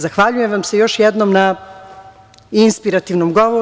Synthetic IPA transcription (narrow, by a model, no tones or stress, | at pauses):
zaxʋaʎujemʋamse̞jo̞ʃjɛd̪nomna | inspiɾat̪iʋnomɡoʋo